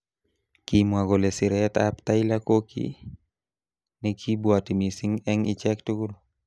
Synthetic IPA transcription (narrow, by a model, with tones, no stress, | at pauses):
kimwa˨ɡɔ˨lɛ˨sɪ˨ɾɛt̪a̰pt̪ailako˦kʰḭ | nɛkʰi˦bwati˨mi˨si˦ŋɛ˦ŋɪt͡ʃɛktu˦ɡu˦ɾo